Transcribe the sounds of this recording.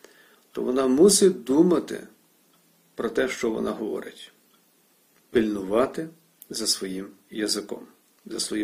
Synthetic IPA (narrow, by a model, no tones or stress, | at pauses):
t̪ɔ̰ʋɔnɑmusʲɪd̪umɐt̪ɪ̰ | pɾɔt̪ɛʃt͡ʃɔʋɔ̰nʔɑ̰ɦɔʋɔ̰ɾʔɪ̰tʲ | pilʲnʊʋɑt̪ɪ | zɐsʋɔjimjɐzɪkɔ̰m | zɐsʋɔji